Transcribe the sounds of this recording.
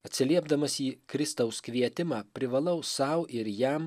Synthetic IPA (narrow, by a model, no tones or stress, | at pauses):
ɐt̪ʲsʲɪlʲiɛbd̪ɐmɐsiːkɾʲɪst̪ɐʊskʋʲiɛt̪ʲɪmɑːpʲɾʲɪʋɐlˠɐʊsɐʊʔɪɾjɛm